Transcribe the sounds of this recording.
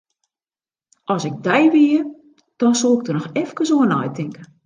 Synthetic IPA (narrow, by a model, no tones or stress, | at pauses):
ʔɔsɪɡ̚dɛjʋiər | d̥ɔnsolˠɪɡ̚dərnɔxɛfkəsoənɔ̰jtʰɪŋkə